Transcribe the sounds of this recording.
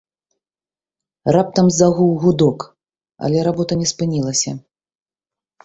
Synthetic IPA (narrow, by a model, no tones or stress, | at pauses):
rap̚t̪ɐmzaɣuwɣud̪ɔk | ɐ̰lʲɛɾabɔt̪ɐnʲɛspɨnʲilˠɐsʲɐ̰